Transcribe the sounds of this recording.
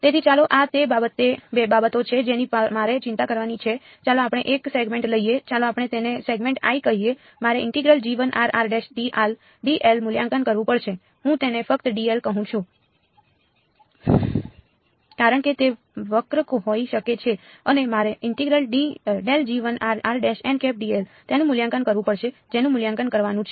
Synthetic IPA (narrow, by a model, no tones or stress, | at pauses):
t̪et̪ʰit͡ʃaloʔat̪ebabət̪ːebebabət̪ot͡ʃʰed͡ʒenimaɾet͡ʃɪnt̪akəɾʋanit͡ʃʰe | t͡ʃalõapɽ̃eʔekseɡmẽɳʈləijet͡ʃaloapɽ̃et̪eneseɡmẽɳʈa̰ikəɦije | maɾeɪɳʈiɡɾəld͡ʒiʋənʔaɾaɾɖesɖiʔal | ɖiʔelmʊljãŋkənkəɾʋũpəɽt͡ʃʰe | ɦũt̪enefək̚t̪əɖielkəɦũt͡ʃʰũ | kaɾəɳket̪e | ʋəkɾəkoɦoiʃəket͡ʃʰe | ənemaɾeʔɪɳʈiɡɾəlɖiɖeld͡ʒiʋənaɾaɾɖeʃɛ̃ɳɖkep̚ɖielt̪enũmʊljãŋkənkəɾʋũpəɽʃed͡ʒenũmʊljãŋkənkəɾʋanũt͡ʃʰe